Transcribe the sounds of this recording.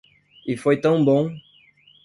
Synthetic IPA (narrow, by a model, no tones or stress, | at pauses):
ɪfojt̪ɐ̃w̃bõ